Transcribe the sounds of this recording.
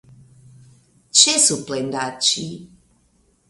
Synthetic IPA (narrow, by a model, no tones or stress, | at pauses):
t͡ʃɛsuplɛnd̪at͡ʃi